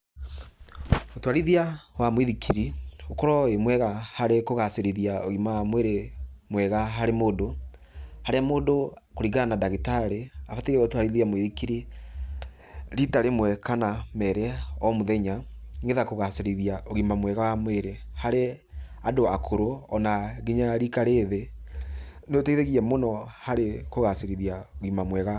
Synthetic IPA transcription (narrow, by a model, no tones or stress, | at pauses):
otwaɾiðiawamweðikʰiɾiokɔɾɔemwɛɣahaɾekoɣaseɾiðiaoɣimamweɾemwɛɣaɦaɾemoːdo | haɾeamoːdo | koɾiɣanadaɣitaɾeafatiɾɛotwaɾiðiamweðikiɾi | ɾitaɾemwɛkanamɛɾɛɔmoðɛɲaŋɡeðakoɣaseɾiðiaʔoɣimamwɛɣawamweɾe | haɾe | adoakʰoɾoɔnaɣiɲaɾikaɾeðe | neoteiðeɣiɛmonɔhaɾekoɣaseɾiðiaoɣimamwɛɣa